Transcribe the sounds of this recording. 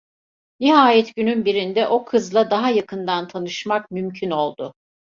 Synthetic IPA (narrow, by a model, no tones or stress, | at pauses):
niɦaːjɛt̪ɟynynbiɾind̪ɛʔo̞kʰɯzlˠad̪aɦajakʰɯnd̪ant̪ʰanɯʃmakmymcʰyno̞lˠd̪ʊ